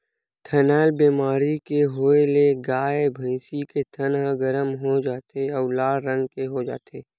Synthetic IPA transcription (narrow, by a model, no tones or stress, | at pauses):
t̪ʰənɛːlbiːmaːɾikeɦoːeleɡaːebʱə̃ɪsiket̪ʰənɦaɡəɾəmɦod͡ʒaːt̪eɔːlaːɾə̃ŋɡkeɦod͡ʒa̰ːt̪ʰeː